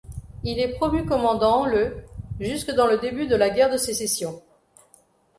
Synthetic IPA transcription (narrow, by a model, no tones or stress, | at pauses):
ilɛpχɔmykɔmɑ̃d̪ɑ̃ləʒyskəd̪ɑ̃ləd̪ebyd̪əlaɡʲɛʁd̪əsesesjɔ̃